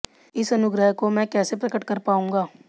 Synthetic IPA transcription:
ɪsɐnʊɡɾəɦkomɛ̃ːkɛːsepɾɐkəʈkɐɾpaːũːŋɡaː

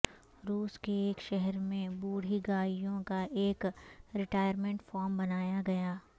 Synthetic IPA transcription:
ɾuːskeeːkʃɛɦɛɾmẽbuːɽ̤iɡaːijõkaʔeːkɾɪʈaːjəɾmẽɳʈfɔːɾmbɐnaːjaɡɐjaː

